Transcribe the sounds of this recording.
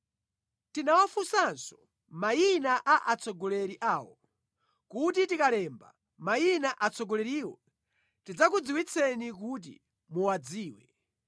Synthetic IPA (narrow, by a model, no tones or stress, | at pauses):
tinawafusansɔ̥ | mainaʔaʔat͡sʰɔɡɔlɛɾiʔaːwɔ̰ | kut̬itikalɛːmba̰ | majinaʔat͡sʰɔɡɔlɛɾiːwɔ | tid͡zak̬ud͡ziwit͡sʰɛnik̬ut̬ḭ | muwad͡ziːwɛ